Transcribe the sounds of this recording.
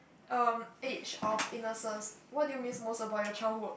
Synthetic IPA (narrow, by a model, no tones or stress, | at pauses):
ʔʌmet͡ʃɔfinəsə̃nswɔt̚dujumĩsmosɔbaʊt̚jət͡ʃaɪlhud